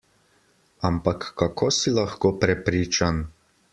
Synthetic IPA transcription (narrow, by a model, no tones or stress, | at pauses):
ampakːakosilaxkopɾɛpɾiːt͡ʃan